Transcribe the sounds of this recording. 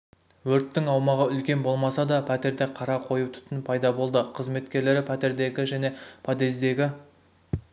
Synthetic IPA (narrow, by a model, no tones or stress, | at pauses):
wɵɾt̪ːɪŋɑwmɑʁəʏlkʲe̞nbo̞lˠmɑsɑd̪ɑpʰæt̪e̞ɾd̪eqʰɑɾɑqʰo̞jut̪ʰʏ̥t̪ɪnpʰɑjd̪ɑbo̞lˠd̪əqʰəzme̞t̪kʲe̞ɾle̞ɾɪpʰæt̪e̞ɾd̪e̞ɡʲɪʒæne̞pʰɑd̪e̞zd̪e̞ɡʲɪ